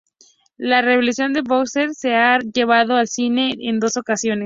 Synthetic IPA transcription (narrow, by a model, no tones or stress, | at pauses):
lare̞βolusjo̞nd̪e̞βokst̪eɾse̞aʝe̞βaðo̞alsine̞end̪o̞so̞kasjo̞ne